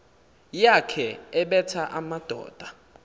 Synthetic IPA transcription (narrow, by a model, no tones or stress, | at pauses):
jakʰɛɛɓɛtʰaʔamad̥ʱɔ̰ːd̥ʱa